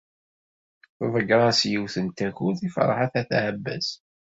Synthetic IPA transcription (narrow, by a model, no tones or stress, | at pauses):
θvəɡɾˤɑsjiwθənt̪æçuθifɾ̰ˤħaθæθʕəbːæ̰s